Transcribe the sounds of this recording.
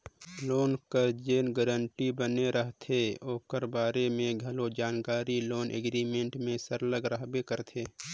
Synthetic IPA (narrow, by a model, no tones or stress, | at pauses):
loːnkəd͡ʒeːnɡəɾəɳʈibəneɾəɦt̪ʰeoːkəɾbaːɾemẽɡʱəlod͡ʒaːnkaːɾiloːnʔḛɡɾiːmẽɳʈmẽsəɾləɡɾəɦbekəɾt̪ʰeː